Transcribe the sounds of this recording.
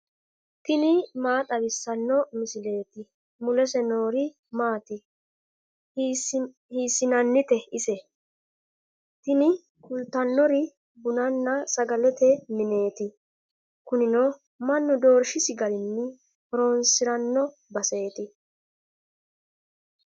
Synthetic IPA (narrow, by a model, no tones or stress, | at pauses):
t̪ɪnɪmaːt̪ʼɐbɪsːɐnːɔmɪsɪle̞ːt̪ɪ | mʊlɛsɛnoːɾɪ | maːt̪ɪ | hiːsɪnɐnːɪt̪ɛɪsɛ | t̪ɪnɪ | kʊlt̪ːɐnːɔɾɪ | bʊnɐnːɐsɐɡɐlɛt̪ɛmɪne̞ːt̪ɪ | kʊnɪnɔ | mɐnːʊd̪o̞ːɾʃɪsɪɡɐlɪnːɪ | ɔɾoːnsɪɾɐnːɔ | bɐse̞ːt̪ɪ